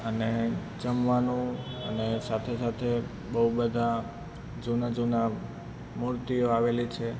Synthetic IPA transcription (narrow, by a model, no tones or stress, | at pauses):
əne | d͡ʒəmʋanũə̰nesat̪ʰesat̪ʰe | bəubəd̪ʱa | d͡ʒunad͡ʒuna | muɾt̪ijoaʋelit͡ʃʰe